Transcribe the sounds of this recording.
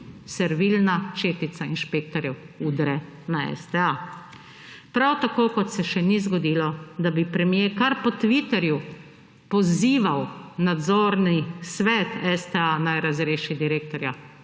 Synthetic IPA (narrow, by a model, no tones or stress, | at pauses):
sɛɾʋilnat͡ʃeːt̪it̪sainʃpeːk̚t̪ɔɾjɛw | uːd̪ɾɛ | naɛ̰st̪ɛa | pɾawt̪akoːkɔt̪sɛʃɛnizɡɔd̪iːlɔd̪abipɾɛmijeːkaɾpɔt̪ʋit̪ɛɾju | pɔziːʋawnad̪zoːɾnisʋɛːt̪ɛst̪ɛanajɾazɾeːʃid̪iɾeːk̚t̪ɔɾja